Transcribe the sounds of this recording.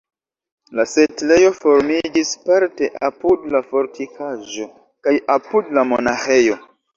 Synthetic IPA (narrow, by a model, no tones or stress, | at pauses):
lase̞tle̞jo̞fo̞ɾmid͡ʒispaɾte̞ʔapudlafo̞ɾtikaʒo̞ | kajʔapudlamonaxe̞jo̞